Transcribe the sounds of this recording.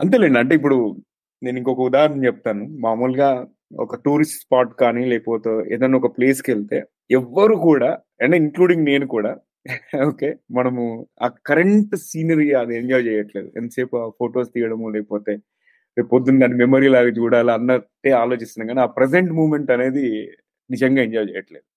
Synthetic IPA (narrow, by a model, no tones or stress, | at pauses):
ɐnt̪eːleːɳɐɳʈe̞ːip̬ːuɽu | ne̞ːniŋkɔkɐud̪aːɦɐɾɐnɐmt͡ʃɛp̚t̪aːnumaːɾmuːlɡaː | ɔ̰kɐʈuːɾisʈspaːɾʈkaːnilɛːpoːt̪eːḛːd̪ɐnːɔkɐpleːskelt̪e̞̰ː | ɛʋːɐɾukuːɽaː | ɐɳʈeiŋkluːɽiŋɡne̞ːnukuːɽaː | oːke̞ːmɐnɐmua̰ːkɐɾeɳʈsiːnɐɾiɐd̪ieɲd͡ʒaːjt͡ʃɛːjɐʈle̞ːd̪ṵḛnd̪ɐseːpuapʰoːʈoːst̪iːjɐɽɐmolɛːkɐpoːt̪eː | ɾeːpod̪ːunɡaːnimemoːɾiːlaːɡaːt͡ʃuːɽaːliɐnːɐʈːeːaːlo̞ːt͡ʃist̪unɐɡkaːniaːpɾes̬eɳʈmuːmeɳʈɐne̞ːd̪i | nid͡ʒɐŋɡaːeɲd͡ʒaːjt͡ʃɛ̰jɐʈle̞ːd̪u